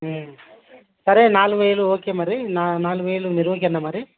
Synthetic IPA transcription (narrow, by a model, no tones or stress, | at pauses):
sɐɾenaːluʋejluoːkemaːɾinanaːluʋejluniɾʋɐkiɐnːɐmaɾi